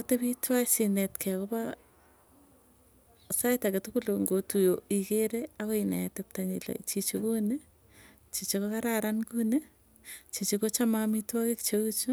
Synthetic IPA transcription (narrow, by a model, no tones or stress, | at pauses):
oteβitwasinetkʰɛkopa | saitaketukuloŋɡotujoikeɾeakoina̰atep̚taɲḭlḛt͡ʃit͡ʃokune | t͡ʃit͡ʃekokaɾaɾankune | t͡ʃit͡ʃekot͡ʃamamitwakekt͡ʃokut͡ʃo